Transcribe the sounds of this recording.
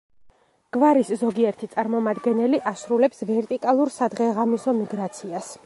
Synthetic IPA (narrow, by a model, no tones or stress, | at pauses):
ɡ̥vaɾiszɔɡiɛɾt̪ʰit̪sʼaɾmɔmad̪ɡɛnɛliʔasɾulɛpsvɛɾt̪ʼikʼalˠuɾsad̪ʁɛʁamisɔmiɡɾat̪sʰias